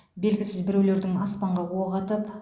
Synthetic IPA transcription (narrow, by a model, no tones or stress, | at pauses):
be̞lɡʲɪsɪzbɪɾewle̞ɾd̪ɪŋɑspɑɴʁɑwoʁɑt̪əp